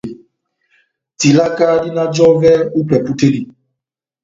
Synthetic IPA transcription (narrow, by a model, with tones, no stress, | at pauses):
ti˨la˦ka˦dɪ˦na˦d͡ʒɔ˦vɛ˦u˦pɛ˨pu˦te˦li˨